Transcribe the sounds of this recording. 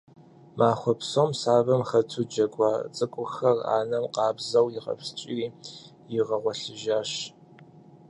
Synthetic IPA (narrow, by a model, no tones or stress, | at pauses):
maːχʷɔpsomsaːvɐmxɐtʰud͡ʒɐɡʷʼɑːt͡sʼɨkʷʼʊxɐra̰ːnɐmqɑːbzɐwjɪqɐ̰fst͡ʃʼɪriː | jɪʁɐʁʷɔɬɨʒaːʃ